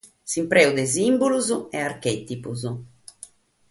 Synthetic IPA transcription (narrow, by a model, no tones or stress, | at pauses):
simpɾɛːud̪ɛzimbuluzuɛarkɛt̪ipuzu